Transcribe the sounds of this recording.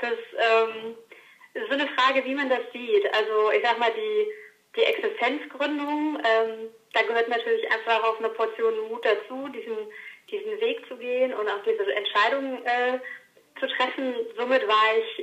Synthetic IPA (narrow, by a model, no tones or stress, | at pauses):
d̥asʔɛːm | ʔɪstz̥oːnəfʁ̥aːɡəviːmandasz̥iːtʔa̰lzoʔɪçz̥aːɡmaːldiː | d̥iːʔɛksɪstʰɛnt͡sɡ̥ʁʏndʊŋʔɛːmd̥aːɡəhøːɐtnatʰyːɐlɪçʔa̰ɪnfaaaʊfnɐpʰɔɐt͡sjoːnmuːt̚d̥at͡suːdiːzn̩d̥iːzn̩veːk̚t͡suɡeːənʊntaʊxd̥iːzəʔɛntʃaɪɾʊŋʔɛː | t͡sutʁ̥ɛfn̩zoːmɪtv̥aːɐɪç